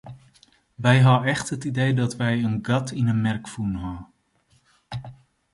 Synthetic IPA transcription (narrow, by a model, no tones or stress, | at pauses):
ʋɛjɦaɛχtɦətidejdɑtʋɛjənɡɑtʰɪnənmɛrkfunɦaː